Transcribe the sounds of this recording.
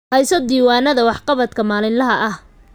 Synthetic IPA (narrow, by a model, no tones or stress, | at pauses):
hɛjsɔd̪iːwaːnɐðɐwɑħqɑβɐd̪kʰɐmaːlɪnlɐɦɐʔɐh